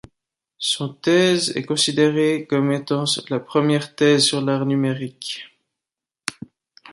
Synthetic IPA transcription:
sɔ̃t̪ɛzɛ̰kɔ̃sid̪eʁekɔmet̪ɑ̃lapχəmjɛʁt̪ɛzsyʁlaʁnymeʁik

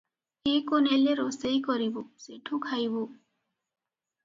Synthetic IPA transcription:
ekoneleɾɔsejkɔɾiboseʈʰukʰajbo

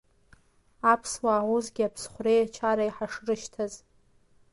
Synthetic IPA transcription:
apʰswaːʕʷʊzɡʲapʰsχʷrejat͡ʃʰaɾaiħaʂɨrɨʃtʰaz

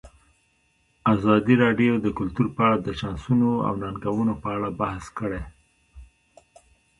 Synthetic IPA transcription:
azɑd̪iɾɑɖjod̪əkʊlt̪uɾpəaɽad̪əʃɑnsunoa̰wnanɡawunopəaɽabahskəɽe

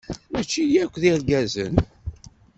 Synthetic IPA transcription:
mæt͡ʃːijækʷːðiɾɡæzə̰n

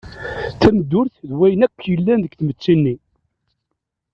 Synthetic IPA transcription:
θæməd̪ːʊɾθðwæjənækʷːjəlːænðəɡθmət͡sːinːi

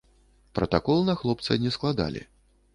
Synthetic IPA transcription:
pɾɐt̪akɔlˠnɐxlˠɔp̚t̪sɐ̰nʲɛsklˠad̪a̰lʲḭ

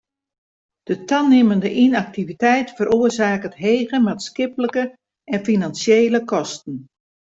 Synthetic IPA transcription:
d̥ətʰanɪməndəʔinak̚tivitɛjtfəɾʔoərzaːkətɦeːɣəmatskɪpləkə | ɛnfinansjeːləkɔstn̩

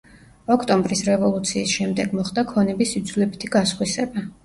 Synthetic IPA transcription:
ɔkʰt̪ʼɔmbɾisɾɛvɔlˠut̪sʰiːsʃɛmd̪ɛɡmɔχd̪akʰɔnɛbisid̪zulɛbit̪ʰiɡasχwisɛba

